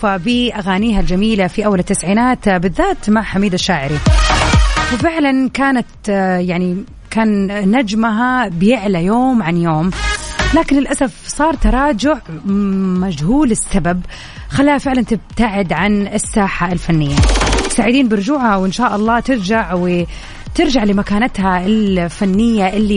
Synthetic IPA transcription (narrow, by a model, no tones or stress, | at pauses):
fabiʔaɣaːniːɦald͡ʒamiːlafiʔawːalɪt̪ːasʕiːnaːt̪bɪðːaːt̪maʕħamiːd̪aʃːaːʕɪɾi | wfɪʕlankaːnat̪jaʕni | kaːnnad͡ʒmaɦabɪjɪʕlajoːmʕanjoːmlaːkɪnɪlʔasafsˤɑːɾˤt̪ɑɾˤɑːd͡ʒʊʕ | mad͡ʒhuːlɪsːabab̚ | xalːaːhafɪʕlant̪ɪb̚t̪aʕɪd̪ʕanɪsːaːħaɪlfanːɪjːat̪saːʕɪd̪iːnbɪɾˤʊd͡ʒuːʕhawʔɪnʃaːʔɑlˤːɑːt̪ɪɾd͡ʒaʕwɪ | t̪ɪɾd͡ʒaʕlɪmakaːnat̪haʔɪlfanːɪjːaʔɪlːi